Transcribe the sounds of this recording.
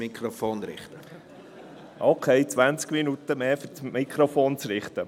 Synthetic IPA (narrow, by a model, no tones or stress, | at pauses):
ikʰɾofoːnɾɪ̰χt̪ə | ʔokʰɛɪt͡sʋænt͡skminut̪əmeːfʏɾt͡smikʰɾofoːnt͡sɾɪχt̪ə